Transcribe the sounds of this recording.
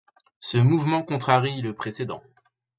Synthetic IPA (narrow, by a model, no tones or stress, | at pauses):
səmuvmɑ̃kɔ̃t̪χaʁiləpχesed̪ɑ̰̃